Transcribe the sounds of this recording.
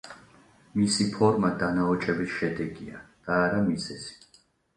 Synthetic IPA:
misipʰɔɾmad̪anaɔt͡ʃʼɛbisʃɛd̪ɛɡia̰d̪̥aːɾamizɛsi̥

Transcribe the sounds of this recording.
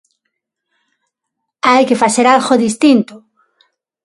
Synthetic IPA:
ajkefaθeɾalɣoðist̪int̪ʊ

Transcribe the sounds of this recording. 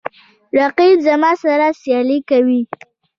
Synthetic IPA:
ɾaqibzamɑsaɾasjɑlikawi

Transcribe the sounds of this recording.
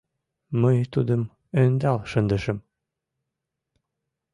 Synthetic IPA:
mɤjt̪ud̪ɤm | ønd̪ɑlˠʃɤ̆nd̪ɤ̆ʃɤm

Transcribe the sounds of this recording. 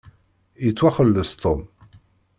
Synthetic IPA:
jət͡sːwæχəlːəst̪ʰom

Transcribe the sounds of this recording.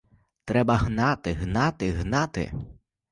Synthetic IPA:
t̪ɾɛbɐɦnɑt̪ɪɦnɑt̪ɪɦnɑt̪ɪ̰

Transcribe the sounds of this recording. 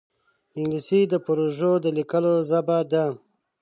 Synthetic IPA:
ɪŋɡlisid̪əpɾoʒod̪əlikəlozabad̪a

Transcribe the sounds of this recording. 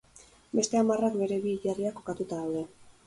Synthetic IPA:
be̞st̪e̞amarakbe̞ɾe̞βiːʎariako̞kat̪ut̪aðawðe̞

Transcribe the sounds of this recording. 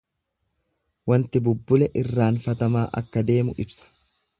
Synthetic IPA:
wɐnt̪ɪbʊbːʊlɛʔɪrːaːnfɐt̪ɐmaːʔɐ̰kːɐd̪e̞ːmʊʔɪbsɐ̥

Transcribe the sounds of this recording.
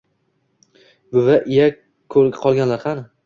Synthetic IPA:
bʊvaʔɪja | kʰɵɾɡʲaqʰɒlˠɡʲanlaɾqʰɑnɪ

